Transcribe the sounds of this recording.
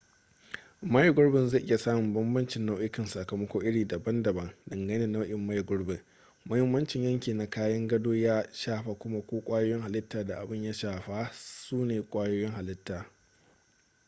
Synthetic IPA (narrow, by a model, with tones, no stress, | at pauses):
ma˦jɡʊ˦ɽbɪ˨nza˦˨ʔɪ˦ja˨saː˦mʊ˨mbɐ˦mbɐ˦nt͡ʃɪ˨nːa˦wʔɪ˦kɪ˨nsa˨kɐ˨mɐ˦kʷoː˦ʔɪ˦ɽiː˨dɐ˨bɐ˦ndɐ˨bɐ˦ŋdɐ˨ŋɡɐ˦nɪː˦˨na˦wʔɪ˨mːa˦jɡʊ˦ɽbɪ˨ŋ | mɐ˦hɪ˦mːɐ˦nt͡ʃɪ˨ɲjɐ˦ŋkʲiː˨na˨kaː˦jɐ˦ŋɡɐ˦doː˦jaː˦ʃaː˦ɸa˨kʷʊ˦ma˦kʷoː˦kʷʼaː˦joː˦jɪ˦ŋha˨lɪ˦tːaː˨da˨ʔa˨bɪ˦ɲja˦ʃaː˨ɸa˦suː˦neː˨kʷʼaː˦joː˦jɪ˦ŋha˨lɪ˦tːaː˨